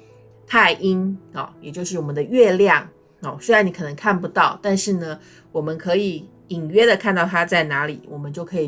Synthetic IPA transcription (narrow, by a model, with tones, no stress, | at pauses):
t̪ʰa˥˩ɪʔi˦˥ŋɔ̰˨˩jɛ˨˩t͡ɕjo˥˧ʊʂ̬ɻ̩˥˩wɔ˨˩mə˦nd̪ə˧ɥɛ˥˧ljɑ˥˩ŋ | ɔ˨˩swe˥ɻa˧ni˧˥kʰɤ˨˩nɤ˧˥ŋkʰa˥˩npu˧t̪ɑ˥˩ʊt̪a˥˧nʂɻ̩˥˩nə˩ | wɔ˨˩mə˦nkʰɤ˧˥i˨˩˦ | i˨˩ŋɥɛ˥d̪ə˨kʰa˥˧nt̪ɑ˥˩ʊt̪ʰa˥t͡sa˥˩ɪna˧˥li˨˩˦wɔ˨˩mə˦nt͡ɕjo˥˩ʊkʰɤ˧˥i˨˩